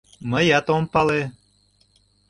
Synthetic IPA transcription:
məjɑt̪ompɑle

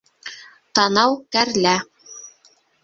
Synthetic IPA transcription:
t̪ɑnɑwkæɾlæ

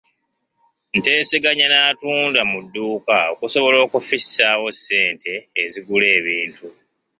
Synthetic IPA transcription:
n̩te̞ːseɡaɲanaːtuːndamudːuːkao̞kuso̞βo̞lo̞ːkufisːaːwo̞sːe̞ːntʰe̞ːziɡule̞ːβiːntu

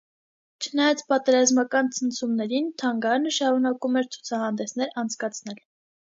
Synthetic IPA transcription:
t͡ʃʰənɑjɑt͡sʰpɑt̪ɛɾɑzmɑkɑnt͡sʰənt͡sʰumnɛɾint̪ʰɑŋɡɑnəʃɑɾunɑkumɛɾt͡sʰu̥t͡sʰɑhɑnd̪ɛsnɛɾɑnt͡sʰkɑt͡sʰn̪ɛl

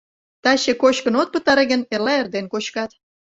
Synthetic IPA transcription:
t̪ɑɕekot͡ɕkənot̪̚pət̪ɑɾĕɣə̆nerlɑerd̪enkot͡ɕkɑt̪

